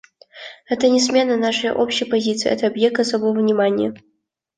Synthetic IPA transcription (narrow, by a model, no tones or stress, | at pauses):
ɛt̪ənʲɪsmʲe̞nənaʂɨjə̰ʔopɕɪjəpɐzʲit̪sɨj̰ɛ̰t̪əɐbjek̚t̪ɐsobovəvnʲɪmanʲijə